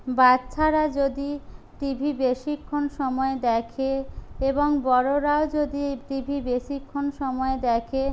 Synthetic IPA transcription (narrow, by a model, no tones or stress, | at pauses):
batːɕʰaɾad͡ʑod̪i | ʈibʱibeʃikʰːonʃɔmɔed̪ɛkʰeeboŋbɔɾoɾaod͡ʑod̪iʈibʱibeʃikʰːonʃɔmɔed̪ɛkʰe